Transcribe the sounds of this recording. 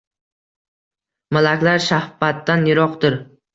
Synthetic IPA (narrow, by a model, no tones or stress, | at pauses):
malakʲlaɾʃahfat̪ːanjɪɾɒqd̪ɪɾ